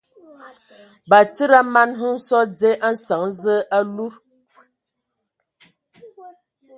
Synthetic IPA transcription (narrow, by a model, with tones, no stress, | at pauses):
ba˨t͡sə˦ɾa˦ma˦nɦɨ˦n̩˦sɔ˦d͡ze˦ʔa˦n̩˦sa˨ŋ˦zə˦ʔa˦lu˦ɾ